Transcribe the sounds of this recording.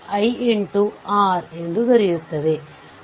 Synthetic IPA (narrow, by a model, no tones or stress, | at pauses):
ɐɪɪɳʈuʔaːɾɛndrɯt̪ɐɾɪjɯt̪ːɐðɯ